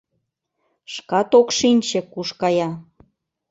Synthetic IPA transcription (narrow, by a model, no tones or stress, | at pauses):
ʃkɑt̪okʃinʲt͡ɕĕkuʃkɑjɑ